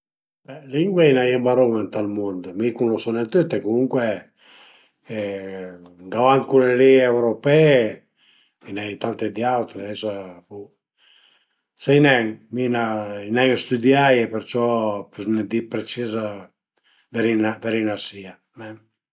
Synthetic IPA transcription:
bɛliŋɡweinajɛbaɾomant̪almɔnd̪mikunlosɔnɛnt̪yt̪ːekumuŋkwe | ɡawaŋkuleliɛwɾopɛ | inait̪ant̪ed̪iawt̪ɾeɛsapu | sainɛŋminainɛŋst̪ud̪jajɛpeɾt͡ʃɔpyznɛd̪ipɾet͡ʃiza | veɾinavɛɾinasia | mɛ

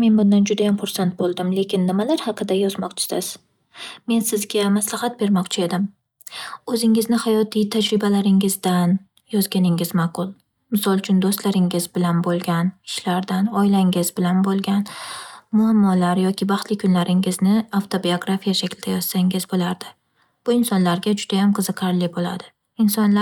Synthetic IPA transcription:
me̞nbʊnd̪and͡ʒʊd̪ajamfʊɾsant̪̚bolˠd̪ɪmle̞kʲɪnːɪmalaɾhɑqʰɨd̪ajɒzmɒqt͡ʃʰɪ̥sɪz | me̞nsɪzɡʲamaslˠɑhat̪̚be̞ɾmɒqt͡ʃʰɪe̞d̪ɪm | ɵzɪŋɪznɪhajɒt̪ʰijt̪ʰad͡ʒɾɪbalaɾɪŋɪzd̪an | jɒzɡʲanɪŋɪzmaqʰʊlˠ | mɪsɒlˠt͡ʃʰʊnd̪ost̪laɾɪŋɪzbɪlanbolˠɡʲanɪ̥ʃlaɾd̪anɒjlaŋɪzbɪlanbolˠɡʲanmʊamːɒlaɾjɒkʲɪbɑχt̪lɪkʰʊnlaɾɪŋɪznɪawt̪ʰobioɡɾafijaʃakʲld̪ajɒz̥saŋɪzbolaɾd̪̥ɪ | b̥ʊɪnsɒnlaɾɡʲad͡ʒʊd̪̥ajamqʰɨzɨqʰɑɾlɪbola̰d̪ɪ | ɪnsɒnla

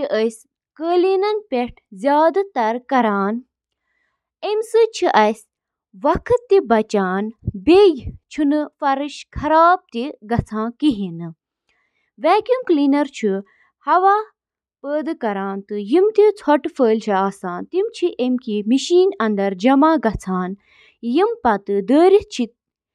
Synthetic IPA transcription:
iʔəjs | kəːliːnɐnpʲeʈʰzʲjaːd̪t̪ɐɾkɐɾaːn | emsɨt͡ʃʰiʔɐjs | ʋɐkʰɨt̪ːibɐt͡ʃaːnbejt͡ʃʰunɨfɐɾɨʃkʰɐɾaːb̚t̪iɡɐt͡sʰãːkiɦinɨ | ʋɛːkjumklinɐɾt͡ʃʰi | hɐʋaː | pəːd̪ɨkɐɾaːnt̪ɨjimt̪it͡sʰɔʈfəːlʲt͡ʃʰiaːsaːnt̪imt͡ʃʰiʔemkimiʃiːnɐnd̪ɐɾd͡ʒɐmaːɡɐt͡sʰaːn | jimpɐt̪ɨd̪əːɾit͡ʃʰit̪̚

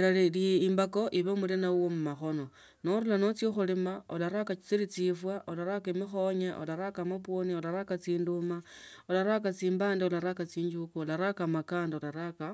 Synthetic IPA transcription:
laliliimbako̞ʔiβemulinauwomumaxo̞no̞ | noɾulano̞t͡sixulimaolaɾakat͡silit͡sifwaʔolaɾakaemixo̞ɲeʔo̰laɾakamapwonio̞laɾakat͡siːnduma | olaɾakat͡siːmbaːndiolaɾakat͡siːɲd͡ʒukuolaɾakamakaːndaolaɾaka

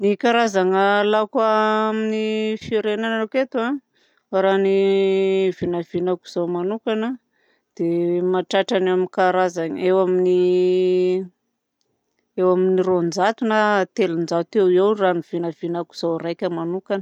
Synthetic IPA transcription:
nikaɾazaŋəlakaaminifiɾenananuket̪ua | ɾani | v̥inav̥inaku̥z̥awmanukanə | d̪̥emaʈ͡ʂaʈ͡ʂaneaminikaɾazaŋ̰ewamini | ewaminirond͡ʒat̪unat̪elind͡ʒat̪ewiewraniv̥inav̥inaku̥z̥awrajkʲəmanukan

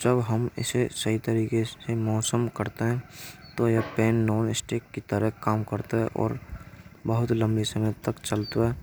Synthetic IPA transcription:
d͡ʒəbɦəmɪ̰sesəɦit̪əɾiːkesemɔːsəmkəɾt̪eɦɛ̃t̪ojapeːnːɔːnɪsʈeːkːit̪əɾəɦkaːmkəɾt̪aɦɛʔɔ̰ːɾbəɦʊt̪lə̃mbisəmət̪ːəkt͡ʃəlt̪oɦɛː

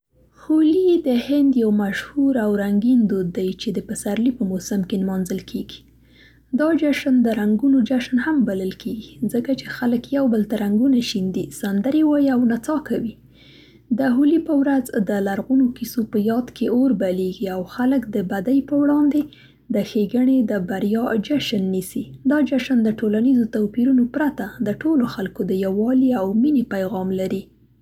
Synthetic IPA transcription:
xolid̪əhɪnd̪jawmaʃhuɾawɾaŋɡind̪od̪ːajt͡ʃed̪əpəsaɾlipəmosamkelmɑnzəlkʰeɡi̥ | d̪ɑd͡ʒaʃnd̪əɾaŋɡunod͡ʒaʃnhambaləlkʰeɡizəkat͡ʃexaləkjawbəlt̪aɾaŋɡunaʃind̪isand̪aɾewɑjiawnat͡sɑkawi | d̪əɦulipəwɾazd̪əlaɾɣunokisopəjɑd̪keoɾbaleɡiawxaləkd̪əbad̪ajpəwɽɑnd̪e | d̪əxeɡəɳed̪əbaɾjɑd͡ʒaʃnːisid̪ɑd͡ʒaʃand̪əʈolanizot̪awpiɾunopɾat̪ad̪əʈoloxalkod̪əjawɑliawminipajɣɑmlaɾi

